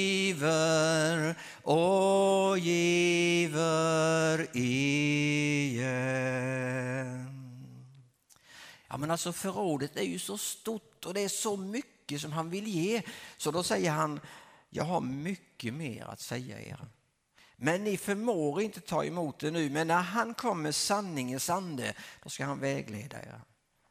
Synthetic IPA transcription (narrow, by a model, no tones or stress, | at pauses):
vəɾ | ʔɔ | jivəɾɪ | jɑ̰ːmɛnalsɔfœɾoːd̪ət̪æɾjɵsɔst̪ʊʈːɔd̪ɛæʂɔmʏkːəs̬ɔmɦanvɪljeːsɔd̪ɔsɛjːəɾɦanjɑ̰ːɡɦaɾmʏkːəmḛːɾa̰t̪sɛjːa̰ḛːɾa | mɛnːɪfœɾmoːɡəɾɪnt̪ət̪ʰɑ̰ːɛ̰muːt̪̚d̪ɛnʉ̟ːmɛnːæɾɦankʰɔmːəsanːɪŋənsand̪əd̪̥ɔskahanvɛːɡleːd̪a̰ḛːɾa